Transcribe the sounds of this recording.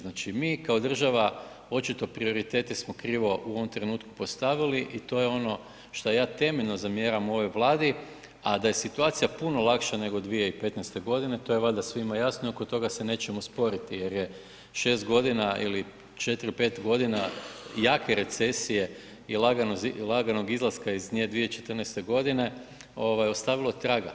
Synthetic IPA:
znaːt͡ʃimiːkao̞d̪r̩ʒaʋa | o̞t͡ʃit̪o̞pɾio̞ɾit̪e̞ːt̪ismokɾiːʋo̞ʔuo̞ʋomt̪ɾenuːt̪ku̥po̞st̪aʋiliʔit̪o̞je̞o̞no̞ | ʃt̪ojaːt̪e̞meʎno̞zamje̞ːɾamo̞ʋo̞jʋlˠaːd̪i | ad̪aje̞sit̪uaːt̪sijapuno̞lˠakʃane̞ɡo̞d̪ʋije̞ipe̞t̪nejst̪e̞ɡo̞d̪inet̪o̞jeʋlˠad̪asʋimajasnoiokot̪o̞ɡasene̞ːt͡ʃemospo̞ɾit̪ije̞ɾje̞ | ʃe̞ːst̪ɡo̞d̪inaḭli | t͡ʃe̞t̪iɾipe̞ːt̪ɡo̞d̪inajaːkʰeɾe̞t̪se̞sije̞ | ilaɡanozlˠaɡano̞ɡizlˠaskaizɲed̪ʋijet͡ʃe̞t̪rnest̪e̞ɡo̞d̪ine̞ | o̞ʋajo̞st̪aʋilˠot̪ɾaɡa

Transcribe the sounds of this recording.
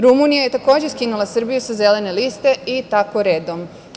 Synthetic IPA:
ɾumunijaje̞t̪ako̞ːd͡ʑeskinulasr̩bijusaze̞le̞ne̞liːst̪e̞it̪ako̞ɾeːd̪om

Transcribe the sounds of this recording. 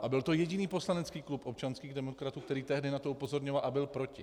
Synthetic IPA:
ʔabɪlt̪o̞jɛɟɪniːpo̞slanɛt͡skiːklupʔo̞p̚t͡ʃanskiːɣdɛmo̞kɾat̪uːkt̪ɛɾiːt̪ɛɦdɪnat̪o̞upo̞zo̞ɾɲovalʔabɪlpɾo̞cɪ

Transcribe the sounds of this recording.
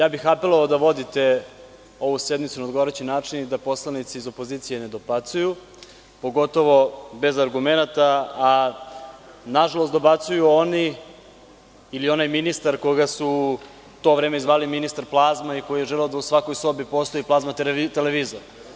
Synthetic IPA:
jaːbixapelˠoaod̪aʋo̞d̪it̪e | o̞ʋused̪mit̪sunaod̪ɡoaɾet͡ɕinaːt͡ʂinid̪apo̞slanit̪siizo̞po̞ziːt̪sijened̪o̞bat̪suju | po̞ɡo̞t̪o̞ʋo̞be̞zaɾɡumenat̪aː | naʒalˠo̞st̪o̞bat̪sujuo̞ni | lio̞najminist̪aɾkoɡasu | t̪o̞ʋɾeːmeizʋaːliminist̪aɾplˠaːzmaiko̞jijeʒɛlɛod̪ausʋako̞jso̞bipo̞ːst̪o̞jiplˠazmat̪t̪eleʋiːzoɾ

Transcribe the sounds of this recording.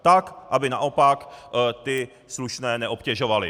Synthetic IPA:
t̪akʔabɪna̰ʔo̞pakt̪ɪ | sluʃnɛːnɛʔo̞pcɛʒo̞valɪ

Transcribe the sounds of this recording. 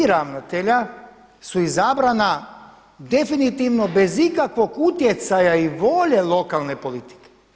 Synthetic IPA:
ɾamnat̪eʎa | suizabɾana | d̪efinit̪iʋnobezikakʋokut̪jet̪sajaiʋoʎelˠokalˠnepolit̪i̥ke̥

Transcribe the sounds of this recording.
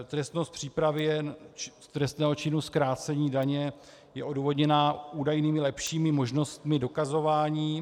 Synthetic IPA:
t̪ɾɛst̪nost̪̚pr̝̥iːpɾavɪjɛst̪ɾɛst̪nɛːɦo̞t͡ʃɪnuskɾaːt͡sɛɲiːdaɲɛ | jɛʔo̞duːvo̞dɲɛnaːuːdajniːmɪlɛpʃiːmɪmo̞ʒno̞st̪mɪdo̞kazo̞vaːɲiː

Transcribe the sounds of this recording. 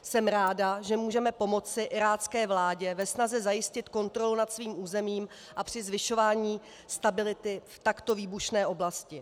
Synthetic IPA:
sɛmɾaːdaʒɛmuːʒɛmɛpo̞mo̞t͡sɪʔɪɾaːt͡skɛːvlaːɟɛvɛsnazɛzajɪscɪt̪ko̞nt̪ɾo̞lunat̪sviːmʔuːzɛmiːm | ʔapr̝̥ɪzvɪʃo̞vaːɲiː | st̪abɪlɪt̪ɪft̪akt̪o̞viːbuʃnɛːʔo̞blascɪ

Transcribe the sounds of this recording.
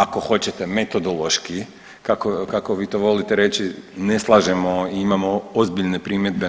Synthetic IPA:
ako̞xo̞t͡ɕet̪e̞me̞t̪o̞d̪olˠo̞ʃki | kakokakoʋiːt̪o̞ʋo̞lit̪eɾe̞t͡ɕineslˠaʒemo̞iimamoozbiʎne̞pɾiːmje̞d̪̚be

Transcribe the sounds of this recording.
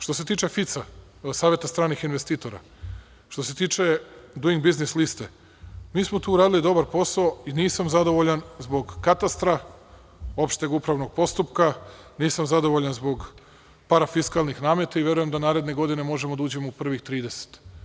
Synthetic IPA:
ʃt̪o̞s̬e̞t̪iːt͡ʃe̞fit̪sa | saːʋʲje̞t̪ast̪ɾaːnixinʋest̪iːt̪o̞ɾa̰ | ʃt̪o̞s̬e̞t̪iːt͡ʃe̞d̪uiŋɡbiznislist̪e | miːsmo̞t̪uːɾaːd̪ilid̪o̞baɾpo̞saoiniːsamzad̪o̞ʋoʎanzbo̞ɡkat̪ast̪ɾa | o̞pʃt̪eɡupɾaʋno̞ɡ̚po̞st̪upka | niːsamzad̪o̞ʋo̞ʎanzbo̞ɡ | paɾafiskaːlˠnixnaːmje̞t̪aiʋʲje̞ɾuje̞md̪anaːɾe̞d̪ne̞ɡo̞d̪ine̞mo̞ʒemod̪auːd͡ʑemoupr̩ʋixt̪ɾiːd̪e̞se̥t̪

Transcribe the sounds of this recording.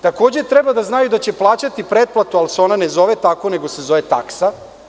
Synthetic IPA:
t̪ako̞ːd͡ʑet̪ɾebad̪aznajud̪at͡ɕe̞plˠaːt͡ɕat̪ipɾed̪̚plˠat̪ualseo̞nanezo̞ʋet̪ako̞ne̞ɡo̞se̞zo̞ʋet̪a̰ksa

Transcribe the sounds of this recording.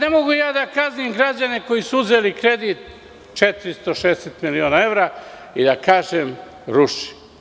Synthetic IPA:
ne̞moɡujaːd̪akaznimɡɾad͡ʑane̞ko̞jisuuzelikɾe̞d̪it̪ | t͡ʃet̪ɾist̪oʃeːeset̪milio̞nae̞vɾa | id̪akaːʒem | ɾuʃi̥

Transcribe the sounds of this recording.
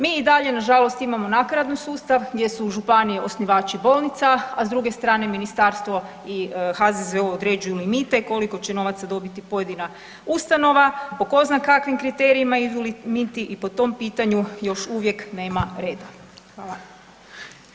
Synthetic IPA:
miid̪aʎe̞naʒalˠo̞st̪imamo̞nakɾad̪nisuːst̪aʋɡd̪ʲje̞suʒupanijeʔo̞sniʋaːt͡ʃibo̞lˠnit̪saazd̪ɾuɡe̞st̪ɾaːne̞minist̪aːɾst̪ʋo̞ | ixazezʋeoːd̪ɾe̞d͡ʒujulimit̪e̞ko̞liko̞t͡ɕeno̞ʋat̪sad̪o̞bit̪ipo̞je̞d̪ina | ust̪ano̞ʋapoko̞znakakʋimkɾit̪e̞ːɾiimaid̪ulimit̪iʔipo̞t̪o̞mpiːt̪aɲujo̞ʃuʋje̞kne̞ːmaɾe̞ːd̪a | xʋaːlˠa

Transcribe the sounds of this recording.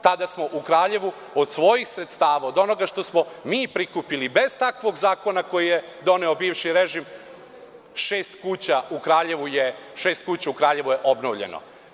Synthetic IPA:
t̪ad̪asmo̞ʔukɾaːʎe̞ʋu | od̪sʋo̞jixsɾe̞t̪st̪aːʋaod̪o̞no̞ɡaʃt̪o̞smo̞miːpɾikupilibe̞z̥t̪akʋo̞ɡzaːko̞nako̞jijed̪o̞ne̞o̞biːʋʃiɾeʒim | ʃeːst̪kuːt͡ɕaukɾaːʎe̞ʋujeʃeːst̪kut͡ɕaukɾaːʎe̞ʋujeʔo̞bnoʋʎḛno̰

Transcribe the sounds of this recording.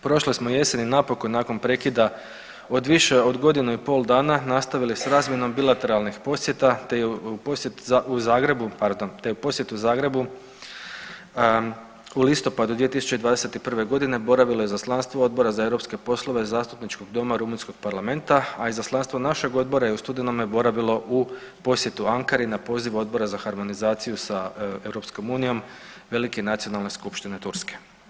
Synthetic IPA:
pɾo̞ʃlismoje̞se̞ninapo̞ko̞jnaːko̞npɾe̞kid̪a | o̞d̪ʋiʃe̞o̞d̪ɡo̞d̪inuipo̞lˠd̪aːnanast̪aʋilisɾaːzmje̞no̞mbilˠat̪e̞ɾalnixpo̞sje̞t̪at̪ejeuposjet̪auzaːɡɾe̞bupaɾd̪ont̪e̞jupo̞sje̞t̪uuzaːɡɾe̞bu | ulist̪o̞pad̪ud̪ʋije̞t̪isu̥t͡ʃed̪ʋaːd̪e̞se̞t̪ipr̩ʋe̞ɡo̞d̪ine̞bo̞ɾaʋilˠo̞jezaslˠanst̪ʋoo̞d̪̚bo̞ɾazaewɾo̞pske̞po̞slˠo̞ʋe̞zaːst̪upnit͡ʃko̞ɡd̪o̞maɾumunsko̞ɡ̥̚paɾlame̞nt̪aaizaslˠanst̪ʋo̞naʃe̞ɡo̞d̪̚bo̞ɾajeust̪ud̪enomjebo̞ɾaʋilˠo̞ʔu | po̞sje̞t̪uaŋkaɾinapo̞ːziʋo̞d̪̚bo̞ɾazaxaɾmo̞nizaːt̪sijusae̞wɾo̞psko̞muːnijo̞mʋe̞likenat̪sio̞nalˠne̞skupʃt̪ine̞t̪uɾske̥

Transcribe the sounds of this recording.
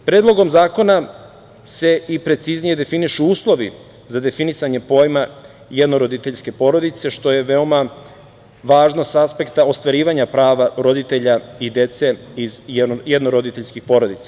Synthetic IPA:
pɾeːd̪lˠo̞ɡo̞mzaːko̞na | se̞ipɾe̞t̪siznije̞d̪e̞finiʃuuːslˠo̞ʋḭ | zad̪e̞finisaɲe̞po̞ːjma | jed̪no̞ɾo̞d̪it̪e̞ʎske̞po̞ɾo̞d̪it̪se̞ʃt̪o̞je̞ʋe̞o̞ma | ʋaːʒnosaspe̞kt̪ao̞st̪ʋaɾiːʋaɲapɾaːʋaɾo̞d̪it̪e̞ʎaid̪e̞t̪se̞izjed̪noɾo̞d̪it̪eʎʲskixpo̞ɾo̞d̪it̪sḁ

